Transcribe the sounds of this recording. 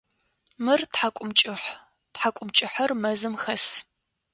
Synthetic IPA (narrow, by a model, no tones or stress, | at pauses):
mɨrtħakʷʼʊmt͡ʃʼɪħ | tħakʷʼʊmt͡ʃʼɪħɐrmɐzɨmxɐs